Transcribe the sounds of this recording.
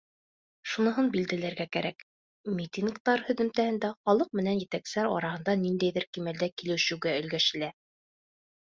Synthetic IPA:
ʃunɤ̆ɦɤnbild̪ælæɾɡækæɾæk | mʲit̪ʲinkt̪ɑɾhɵ̆ðɘ̆mt̪æhɘ̆nd̪æχɑlˠɤq̚mɘ̆nænjɘ̆t̪æksæɾɑ̰ɾɑhɤ̆nd̪ɑnind̪æjðɘɾkimæld̪ækilɘ̆wɕɘ̆wɡæɵ̆lɡæʃɘ̆læ

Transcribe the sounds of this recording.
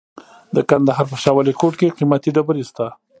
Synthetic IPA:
d̪əkand̪aɦɑɾp̬əʃɑwalikoʈkeqimat̪iɖabəɾist̪a

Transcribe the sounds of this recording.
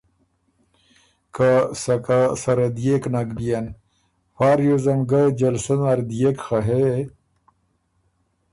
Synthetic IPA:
kʰasɐkasɐɾɐd̪jeknaɡbijan | faːɾjozɐmɡad͡ʑɐlsonaɾd̪jekxaɦe

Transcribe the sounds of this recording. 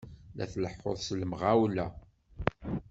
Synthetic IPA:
lʔæ̰θləħoðˤsləmʁawlæ

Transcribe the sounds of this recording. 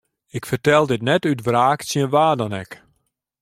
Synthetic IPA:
ɪkfərtɛlˠdɪtnɛtytvraːksjənʋaːdɔnɛ̰k

